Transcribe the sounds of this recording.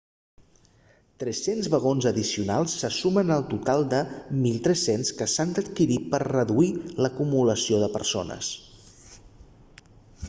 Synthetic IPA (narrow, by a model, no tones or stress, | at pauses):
t̪ɾɛsenzβəɣ̞onzəðisiunalˠsːəsumənəlˠt̪ut̪alˠd̪əmilˠt̪ɾɛsenskəsand̪ət̪kiɾipərrəðuiləkumuləsioðəpə̰ɾsonə̰s